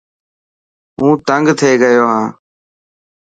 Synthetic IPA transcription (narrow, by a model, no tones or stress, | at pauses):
ũːt̪əŋɡt̪ʰeːɡəjoːɦãː